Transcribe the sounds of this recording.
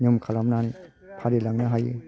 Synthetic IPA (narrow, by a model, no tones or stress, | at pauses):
ɲɯmkʰalamnanipʰaɾilaŋnaɦajɯ̰